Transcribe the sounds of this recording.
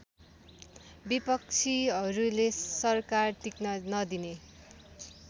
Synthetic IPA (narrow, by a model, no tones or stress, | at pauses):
bipʌk̚t͡sʰiʌɾulesʌrkart̪iknʌnʌd̪ine